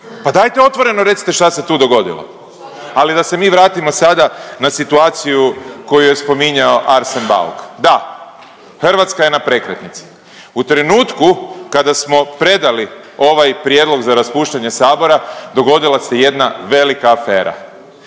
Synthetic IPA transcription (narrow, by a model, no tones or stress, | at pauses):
pad̪ajt̪eo̞t̪ʋo̞ɾe̞noɾe̞t̪si̥t̪e̞ʃt̪ase̞t̪uːd̪o̞ɡo̞d̪ḭlˠo̰ | alid̪ase̞miːʋɾaːt̪imo̞sad̪anasit̪uaːt̪sijuko̞juje̞spo̞miɲao̞ʔaɾsenba̰lkd̪a | xr̩ʋat̪skaje̞napɾe̞kɾet̪nit̪si̥ | ut̪ɾe̞nuːt̪kukad̪asmo̞pɾe̞d̪ali | o̞ʋajpɾjed̪lˠo̞ɡzaɾaspuːʃt̪aɲe̞saːbo̞ɾad̪o̞ɡo̞d̪ilaseje̞d̪naʋe̞likaːfe̞ːɾa̰